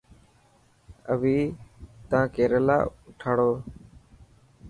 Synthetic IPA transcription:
əʋiːt̪ãːkeːɾəla̰ːʊʈʰaːɽoː

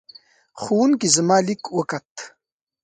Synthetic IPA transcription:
χuːnkizəmaːlikwəkat̪

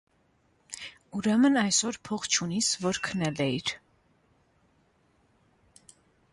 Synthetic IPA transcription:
uɾɛmənɑjsɔɾpʰɔχt͡ʃʰunisvɔɾkʰənɛlɛiɾ

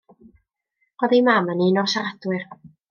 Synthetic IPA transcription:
ɔðijmamaniːnɔsaadwɪr

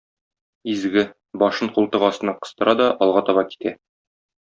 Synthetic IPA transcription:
izɡɘ | bɒʃɤɴqulˠt̪ɤʁɒsɤ̆nɑqɤ̆st̪ɤ̆ɾɑd̪ɒʔɒlˠʁɑt̪ɒβɑki̥t̪æ

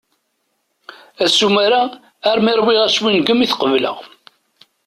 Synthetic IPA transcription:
æsumæɾaː | ɾˤmiɾˤwiʁæswinɡəmiθqəvlə̰ʁ

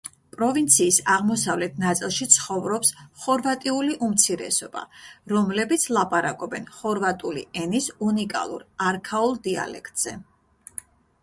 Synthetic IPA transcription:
pʼɾɔvint̪sʰiːsaʁmɔsavlɛt̪ʰnat̪sʼilˠʃit̪sʰχɔvɾɔpsχɔɾvat̪ʼiuliʔumt̪sʰiɾɛ̰sɔb̥a̰ɾɔmlɛbit̪sʰlˠapʼaɾakʼɔbɛnχɔɾvat̪ʼulḭɛnisunikʼa̰lˠṵɾaɾkʰaulˠd̪ia̰lɛ̰kʰt̪ʼz̥ɛ

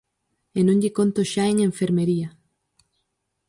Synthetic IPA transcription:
enõŋʎɪkont̪oʃaeŋeɱfeɾmeɾiɐ

